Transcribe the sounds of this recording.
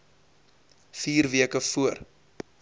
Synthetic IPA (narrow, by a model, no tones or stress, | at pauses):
fiːrviəkəfuər